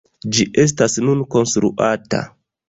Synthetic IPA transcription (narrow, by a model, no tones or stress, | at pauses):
d͡ʒiʔe̞s̬tasnunko̞nstɾṵʔata̰